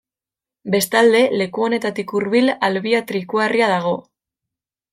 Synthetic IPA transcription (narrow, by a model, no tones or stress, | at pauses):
be̞st̪ald̪e̞le̞kuo̞ne̞t̪at̪ikuɾβilalβiat̪ɾikuariað̞aɣ̞o̞